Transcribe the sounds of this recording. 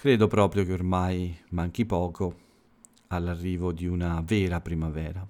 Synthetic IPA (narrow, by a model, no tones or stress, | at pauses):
kɾeːd̪opɾɔːpɾjokeormajmaŋk̟ipɔːko | alːarːiːvod̪iunavɛːɾapɾimavɛːɾa